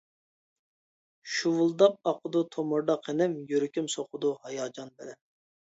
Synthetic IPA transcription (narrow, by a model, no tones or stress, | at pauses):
ʃuwulˠd̪ɑp̚ɑqʰʊd̪ut̪ʰomuɾd̪ɑqʰenɪmjøɾykʲʰymsoχʊd̪uhɑjɑːd͡ʒɑnbɪlɛn